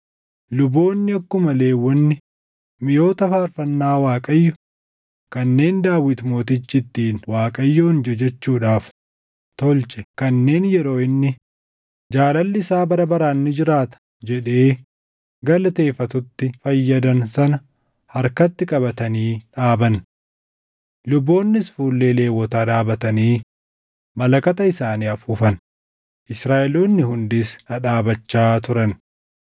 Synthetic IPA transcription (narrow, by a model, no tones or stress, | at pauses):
lʊbo̞ːnːɪɐkːʊmɐle̞ːwːɔnːɪ | mɪjo̞ːt̪ɐfaːɾfɐnːaːwaːkʼɐjːɔ | kɐnːe̞ːnd̪aːwɪt̪mo̞ːt̪ɪt͡ʃːɪt̪ːiːnwaːkʼɐjːoːnd͡ʒɛd͡ʒɛt͡ʃːuːᶑaːf | t̪ɔlt͡ʃɛkɐnːe̞ːnjɛɾo̞ːɪnːɪ | d͡ʒaːlɐlːɪɪsaːbɐɾɐbɐɾaːnːɪd͡ʒɪɾaːt̪ɐ̥ | d͡ʒɛᶑe̞ː | ɡɐlɐt̪e̞ːfɐt̪ʊt̪ːɪfɐjːɐd̪ɐnsɐnɐ | hɐɾkɐt̪ːɪkʼɐbɐt̪ɐniːᶑaːbɐn | lʊbːo̞ːnːɪsfuːlːe̞ːle̞ːwːɔt̪aːᶑaːbɐt̪ɐniː | mɐlɐkɐt̪ɐɪsaːniːɐfuːfɐn | ʔɪsɾaːʔɛloːnːɪhʊnd̪isnɐᶑaːbɐt͡ʃːaːt̪ʊɾɐn